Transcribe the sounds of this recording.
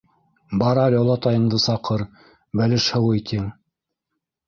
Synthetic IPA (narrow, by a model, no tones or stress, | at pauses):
bɑɾɑlʲolˠɑt̪ɑjɤ̆nd̪ɤsɑqʰɤɾ | bælɘʃhɤ̆wɤt̪ʲʰiŋ